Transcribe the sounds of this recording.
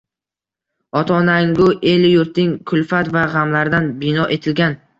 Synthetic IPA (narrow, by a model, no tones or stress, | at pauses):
ɒt̪ʰɒnaŋɡʊʔe̞lɪjʊɾt̪ɪŋkʰʊlfat̪vaʁamlaɾd̪anbɪnɒʔe̞t̪ʰɪlɡʲan